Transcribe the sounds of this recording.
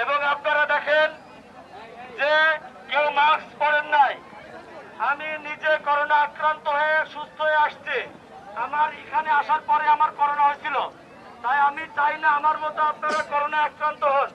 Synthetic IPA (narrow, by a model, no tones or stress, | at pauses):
eboŋap̚naɾad̪ɛkʰen | d͡ʑekewmakspɔɽenːaj | aminid͡ʑekɔɾonaakɾant̪oɦoeʃust̪ʰooeaʃt͡ɕʰi | amaɾekʰaneaʃaɾpɔɾeamaɾkɔɾonaɦojet͡ɕʰilo | t̪ajamit͡ɕajnaamaɾmɔt̪oap̚naɾakɔɾonaakɾant̪oɦon